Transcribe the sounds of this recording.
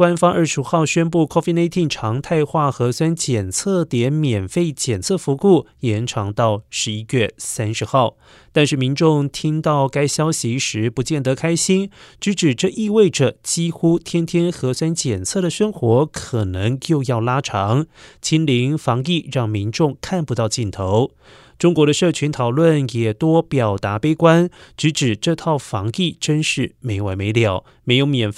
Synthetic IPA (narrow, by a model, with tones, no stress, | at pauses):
kwa˥nfɑ˥ŋʔə˞˥˩ʂu˧˥xɑ˥˩ʊɕɥɛ˥np̬u˥˩kʰɔ˥fi˥˧na˥ɪt̪ʰi˥˩ŋʈ͡ʂʰɑ˧˥ŋt̪ʰa˥˧ɪxwa˥˩xɤ˧˥swa˥nt͡ɕjɛ˨˩nt͡sʰɤ˥˩t̪jɛ˧˥nmjɛ˨˩nfe˥˩ɪt͡ɕjɛ˨˩nt͡sʰɤ˥˩fu˧˥ku˥˩jɛ˧˥nʈ͡ʂʰɑ˧˥ŋt̪ɑ˥˩ʊʂɻ̩˧˥i˥ɥɛ˥˩sa˥nʂɻ̩˧˥xɑ˥˩ʊ | t̪a˥˧nʂɻ̩˥˩mi˧˥nʈ͡ʂʊ˥˧ŋt̪ʰi˥ŋt̪ɑ˥˩ʊka˥ɪɕjɑ˥ʊɕi˧˥ʂɻ̩˧˥pu˧˥t͡ɕjɛ˥˩nt̪ɤ˧˥kʰa˥ɪɕi˥nʈ͡ʂɻ̩˧˥ʈ͡ʂɻ̩˨˩ʈ͡ʂɤ˥˧ʔi˥˧we˥˩ɪʈ͡ʂə˩t͡ɕi˥xu˥t̪ʰjɛ˥nt̪ʰjɛ˥nxɤ˧˥swa˥nt͡ɕjɛ˨˩nt͡sʰɤ˥˩d̪ə˩ʂɤ˥ŋxwɔ˧˥kʰɤ˨˩nɤ˧˥ŋjo˥˧ʊjɑ˥˩ʊla˥ʈ͡ʂʰɑ˧˥ŋt͡ɕʰi˥nli˧˥ŋfɑ˧˥ŋi˥˧ɻɑ˥˩ŋmi˧˥nʈ͡ʂʊ˥˧ŋkʰa˥˩npu˧˥ɑ˥˧ʊt͡ɕi˥˩nt̪ʰo˧˥ʊ | ʈ͡ʂʊ˥ŋkwɔ˧˥ɾə˧ʂɤ˥˩t͡ɕʰy˧˥nt̪ʰɑ˨˩ʊlwə˥˩njɛ˨˩t̪wɔ˥pjɑ˨˩ʊt̪a˧˥pe˥ɪkwa˥nʈ͡ʂɻ̩˧˥ʈ͡ʂɻ̩˨˩ʈ͡ʂɤ˥˧t̪ʰɑ˥˩ʊfɑ˧˥ŋi˥˩ʈ͡ʂə˥nʂɻ̩˥˩me˧˥ɪwa˧˥me˧˥ɪljɑ˨˩˦ʊ | me˧˥ɪjo˧˥ʊmjɛ˨˩n˥˧